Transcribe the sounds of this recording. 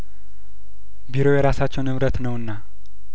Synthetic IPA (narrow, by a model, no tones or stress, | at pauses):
biɾojɛɾasat͡ʃːɛwnɨβɾət̪nəwɨnːa